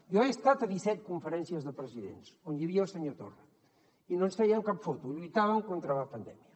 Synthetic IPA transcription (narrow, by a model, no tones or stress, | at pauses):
jɔest̪at̪əðisɛt̪̚kuɱfəɾɛnsiəzðəpɾəziðḛnsonjiβiəəlˠsəɲot̪o̰rə | inonsfɛiəŋkapfot̪uʎujt̪aβəŋkont̪ɾələpənd̪ɛ̰miə